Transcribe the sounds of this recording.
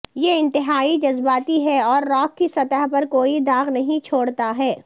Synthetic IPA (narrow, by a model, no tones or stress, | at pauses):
jeɪ̃nt̪ɪɦaːid͡ʒɐzbaːt̪iɦɛɔːɾːɔːkːisɐt̪əɦpɐɾkoːid̪aːɣnɐɦĩt͡ʃʰoːɽt̪aɦɛː